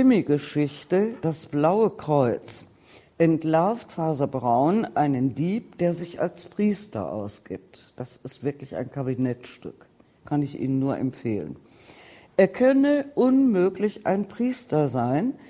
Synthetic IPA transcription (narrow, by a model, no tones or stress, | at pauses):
ɪmiɡəʃɪçtəd̥asb̥laʊəkʁ̥ɔʏt͡s | ʔɛntlaɐftfaːzɐbʁaʊnʔaɪnəndiːp̚d̥eːɐzɪça̰lspʁ̥iːstɐ̰ʔa̰ʊsɡ̥ḭːp̚td̥asɪstv̥ɪɐklɪça̰ɪnkʰabinɛtʃtʏ̰k | kʰanɪçʔḭːnənːuːɐʔɛ̰mfeːlə̰n | ʔeːɐkʰœnəʔʊnmøːklɪçʔa̰ɪnpʁ̥iːstɐzaɪn